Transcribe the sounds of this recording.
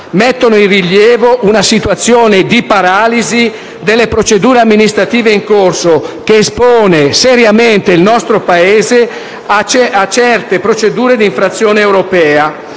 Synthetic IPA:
met̪ːonoinriljɛːvoʔunasit̪wat̪sːjoːned̪ipaɾaːlizi | d̪elːepɾot͡ʃed̪uːɾeamːinist̪ɾat̪iːveiŋkorsok̟eːspoːneseɾjament̪eilnɔst̪ɾopaeːze | at͡ʃat͡ʃɛrt̪epɾot͡ʃed̪uːɾed̪iɱfɾat̪sːjoːneːwɾopɛːa

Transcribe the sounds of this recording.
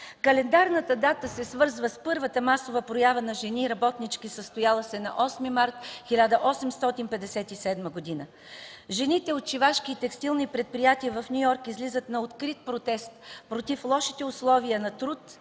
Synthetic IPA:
kɐlɛnd̪aɾnət̪əd̪at̪əsɛsvɤɾzvəspɤɾvət̪əmasovəpɾojavənɐʒɛniɾɐbɔt̪nit͡ʃkisəst̪ojalˠəsɛnɐ̰ʔɔsmimaɾt̪xʲilʲad̪əʔɔsɛmst̪ɔt̪inpɛd̪ɛsɛt̪isɛd̪məɡod̪inə | ʒɛnit̪ɛot̪t͡ʃivaʃkiːt̪ɛkst̪ilˠnipɾɛt̪̚pɾijat̪iəvɐfnʲujɔɾkizlʲizət̪nɐot̪kɾit̪̚pɾot̪ɛst̪pɾot̪iflˠɔʃit̪ɛʊslˠɔviənɐt̪ɾut̪

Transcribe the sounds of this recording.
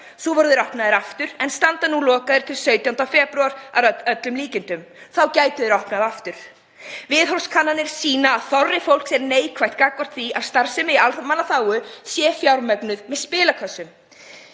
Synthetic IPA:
θuvɔɾðɪɾɔhpnaðɪɾaft̪ʏɾ̥ɛnst̪ant̪anulɔːkaðʏɾ̥t̪ʰɪlsœɥt̪jawn̥t̪awfɛːpɾʏaɾ̥a̰œt̪lʏmliːcɪnt̪ʏm | θawcaːjt̪ʏðɪɾɔhpnaðaft̪ʏɾ̥ | vɪðɦɔlskʰanːanɪɾ̥siːnaːðθɔrːɪfowl̥ksɛɾneːjkʰvajht̪kaːkvɔr̥t̪θiavst̪aɾ̥sɪmɪialmalaθaːwʏsjɛːfjawɾmɛknʏðmɛðspɪːlakʰœsʏm

